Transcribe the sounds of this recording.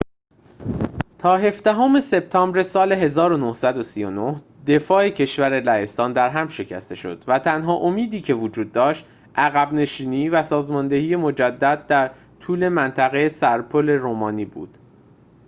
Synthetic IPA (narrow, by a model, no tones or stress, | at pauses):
t̪ʰɒːɦe̞fd̪æɦome̞se̞bt̪ʰɒːmbɾe̞sɒːle̞ɦe̞zɒːɾo̞nohsæd̪osijo̞no̞h | d̪e̞fɒːecʰe̞ʃvæɾe̞læest̪ɒːnd̪æɾɦæmʃe̞cʰæ̰st̪e̞ʃo̞̰d̪̥væt̪ʰænɦɒːʔo̞miːd̪iːcʰe̞vod͡ʒuːd̪̚ːɒːʃt̪ | ʔæɣæbne̞ʃiːniːvæsɒːzmɒːnd̪e̞hiːje̞mo̞d͡ʒæd̪ːæd̪̚d̪æɾ | t̪ʰuːle̞mænt̪ʰæɣejesæɾpʰole̞ɾoːmɒːniːbṵːd̪̥